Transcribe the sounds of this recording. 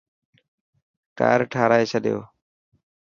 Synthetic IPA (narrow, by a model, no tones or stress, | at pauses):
ka̰ːɾʈʰaːɾaːesʰəɗɪjo̰ː